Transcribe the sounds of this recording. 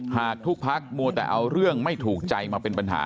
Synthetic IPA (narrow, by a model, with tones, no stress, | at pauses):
haː˨˩k̚t̪ʰu˦˥k̚pʰa˦˥k̚mu˧ət̪ɛ̰ː˨˩ʔa˧wɾɯ˥˩əŋma˥˩jt̪ʰuː˨˩k̚t͡ɕa˧jmaː˧pe˧npa˧nɦa̰ː˩˦